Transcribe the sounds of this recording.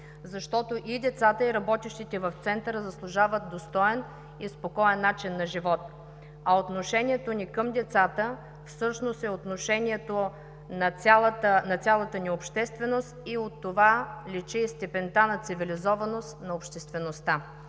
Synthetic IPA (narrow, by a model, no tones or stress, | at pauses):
zɐʃt̪ɔt̪oʔid̪ɛt̪sat̪əiɾɐbɔt̪iʃt̪it̪ɛvɐft̪sɛnt̪əɾəzɐslˠʊʒavət̪̚d̪ost̪ɔɛn | ispokɔɛnːat͡ʃinːɐʒivɔt̪ | ɐot̪noʃɛnʲiɛt̪onikəmd̪ɛt̪sat̪ə | fsɤʃnost̪ɛot̪noʃɛniɛt̪o | nɐt̪ʲalˠt̪ənɐt̪sʲjalˠət̪əniopʃt̪ɛst̪vɛnost̪iot̪ːovalit͡ʃist̪ɛpɛnt̪anɐt̪sivilizɔvɐnost̪nɐopʃt̪ɛst̪vɛnost̪a